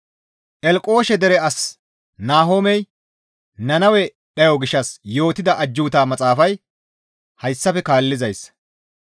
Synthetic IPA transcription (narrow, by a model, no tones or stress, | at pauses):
ʔɛlkʼo̞ːʃɛd̪ɛɾɛɐs | naːɦo̞ːmɛj | nɐnɐwɛ | ɗɐjoɡɪʃːɐsjo̞ːt̪ːɪd̪ɐʔɐd͡ʒːuːt̪aːmɐt͡sʼaːfɐj | hɐjsːɐfɛkaːlːɪzɐjs